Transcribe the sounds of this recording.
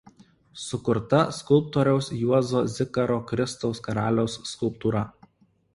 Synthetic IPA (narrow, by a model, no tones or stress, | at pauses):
sʊkʊɾt̪ɐskʊlˠp̚t̪oːɾʲɛʊsjuɔzoːzʲɪkɐɾoːkɾʲɪst̪ɔʊskɐɾɑːlʲɛʊsːkʊlˠp̚t̪uːɾɐ